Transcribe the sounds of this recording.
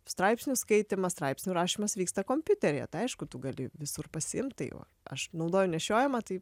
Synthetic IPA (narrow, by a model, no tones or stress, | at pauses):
st̪ɾɐɪpsʲnʲʊskɐɪt̪ʲɪmɐst̪ɾɐɪpʲsʲnʲuɾɑːʃʲiːmɐsʋʲiːkst̪ɐkoːmʲpʲʊt̪ʲɛɾʲɛjɛ̰t̪ɐɪɐɪʃkʊt̪ʊɡɐlʲɪʋʲɪsʊrpɐsʲɪɪmt̪t̪ɐɪʋɐ̰ | ɐ̰ʃnɐʊd̪oːjʊnʲɛʃʲoːjɛmɐt̪ɐɪ